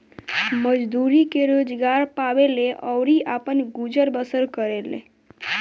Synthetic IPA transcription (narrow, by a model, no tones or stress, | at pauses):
məd͡ʒd̪uɾikeɾod͡ʒɡaɾpaʋeleʔɔwɾiʔapənɡud͡ʒəɾbəsəɾkəɾelḛ